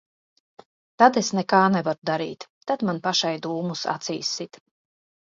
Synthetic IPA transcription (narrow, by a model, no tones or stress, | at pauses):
t̪ad̪esnɛkaːnɛvaɾud̪aɾḭːt̪ːad̪manpaʃajd̪uːmusa̰t̪sḭːsit̪